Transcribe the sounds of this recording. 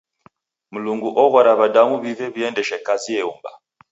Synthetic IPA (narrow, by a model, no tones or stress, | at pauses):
muluŋɡuʔɔɣaɾaβadamuβivɛβijɛndɛʃɛkaziɛumba̰